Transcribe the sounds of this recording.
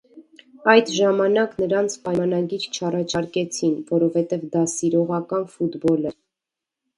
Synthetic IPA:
ɑjd̪ʒɑmɑnɑknəɾɑnt͡sʰpɑjnɑɡiɾt͡ʃʰɑrɑt͡ʃʰɑɾkɛt͡sʰinvɔɾɔvhɛt̪ɛvd̪ɑsiɾɔʁɑkɑnfut̪bɔlɛ

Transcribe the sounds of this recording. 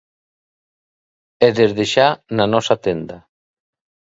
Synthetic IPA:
ɛðezðeʃananɔsat̪end̪a

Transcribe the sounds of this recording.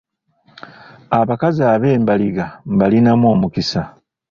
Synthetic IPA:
aβakaziaːβe̞ːmbaliɡambalinamwo̞ːmukisa

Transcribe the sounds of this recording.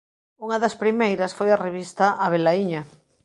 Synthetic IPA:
uŋaðɐspɾimejɾɐsfojareβist̪aʔaβelaiɲa

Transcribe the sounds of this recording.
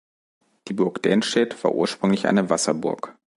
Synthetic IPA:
d̥iːbʊɐkd̥ɛːnʃtɛtv̥a̰ːɐʔṵːɐʃpʁ̥ʏŋlɪçʔa̰ɪnəvasɐbʊ̰ɐk

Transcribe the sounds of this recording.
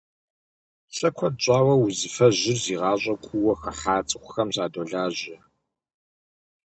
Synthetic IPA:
ɕʼɐkʷʰɔdɕʼɑːwɐwuzɨfɐʑɪrziːʁɑːɕʷʼɐkʷʼuwɐxɐħaːt͡sʼɨxʷʊ̥xɐmɕaːdoːɮaːʑɐ

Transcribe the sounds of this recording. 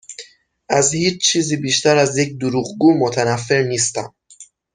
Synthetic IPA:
ʔæzhiːt͡ʃt͡ʃʰiːziːbiːʃt̪æɾæzjecd̪uɾuːɣɡuːmot̪ʰænæfːe̞ɾniːst̪æ̰m

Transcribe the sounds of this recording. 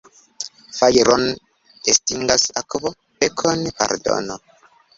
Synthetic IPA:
fajɾon | estiŋɡasakbo | pekʰonpa̰ɾdo̰no

